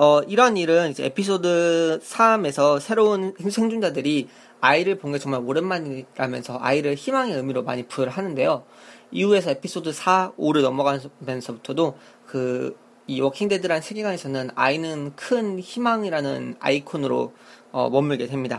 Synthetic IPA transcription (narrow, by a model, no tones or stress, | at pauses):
ʌiɾʌniɾɯnid͡ʑeepʰis̬͈odɯsʰame̞sʰʌsʰe̞ɾounheŋsʰeŋd͡ʑuŋd͡ʑadɯɾi | aiɾɯɭpoŋɡet͡ɕʌŋmaɾoɾɯnmaɲiɾamjʌnsʰʌʔa̰iɾɯɭçimaŋe̞ɯmiɾoma̰ɲipuɭɦanɯnde̞jo | iue̞sʰʌe̞pʰis͈odɯsʰaoɾɯɭnʌmʌɡapensʰʌbutʰʌdo | kɯ | iwʌkʰiŋdedɯɾɦanɕʰeɡiɡane̞sʰʌnɯna̰inɯnkʰɯnçimaŋiɾanɯna̰ikʰonɯɾo̰ | ʌ̰mʌmɯɭɡe̞dwe̞mɲida